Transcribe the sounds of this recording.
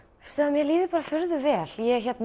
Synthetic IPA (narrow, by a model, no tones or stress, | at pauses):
st̪œðmjɛliːðɪpaːɾafʏɾðʏvɛːl̥jɛçɛt̪n